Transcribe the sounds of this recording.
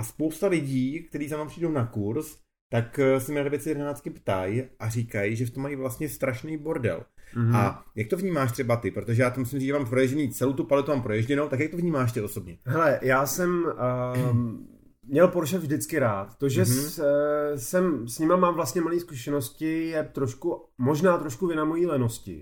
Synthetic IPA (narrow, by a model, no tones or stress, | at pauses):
ʔaspo̞wst̪alɪɟiːk̚t̪ɛɾiːs̬amvampr̥iːdownakuɾs | t̪aksɛmalobjɛt͡sɛjɛdɛnaːt͡st̪̚kɪpt̪ajʔariːkajʒɛft̪omːajivlast̪ɲɛst̪ɾʔaʃnejboɾdɛ̰lajak̚t̪ovɲiːmaːʃt̪r̥ɛbat̪ɪpɾo̞t̪oʒɛjaːt̪omusɪmriːʒɛmaːmpɾojɛʒɟɛniːt͡sɛlowt̪upalɛt̪umaːmpɾojɛʒɟɛnowt̪akjak̚t̪ovɲiːmaːʃ̬t̪ɪo̞so̞bɲɛɦɛlɛjaːsɛm | mːɲɛlpoɾʃɛvʒdɪt͡skɪɾaːt̪ːoʒɛ | sɛmsɲɪmamaːmvlast̪ɲɛmaliːskuʃɛno̞scɪjɛt̪ɾoʃku | mo̞ʒnaːt̪ɾoʃkuvɪnamojiːlɛno̞scɪ̰